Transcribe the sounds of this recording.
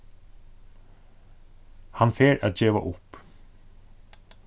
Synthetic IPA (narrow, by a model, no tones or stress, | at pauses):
hanfeːɾæ̰aːt̪d͡ʑeːʋa̰ʔʊp